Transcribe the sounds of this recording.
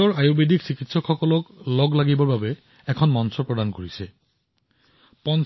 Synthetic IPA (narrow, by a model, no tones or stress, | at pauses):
ɔɹajubedʱiksikitsɔkxɔkɔlɔklɔɡlaɡibɔɹbabɛ | ɛkʰɔnmɔnsɔɹpɹɔdankoɹisɛ | pɔn